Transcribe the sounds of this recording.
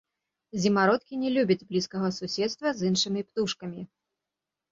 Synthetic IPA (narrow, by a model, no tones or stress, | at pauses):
zʲimaɾɔt̪kʲinʲɛlʲubʲɐd͡zʲblʲiskɐɣɐsusʲɛt̪st̪vɐzɨnʂɨmʲipt̪uʂkɐmʲi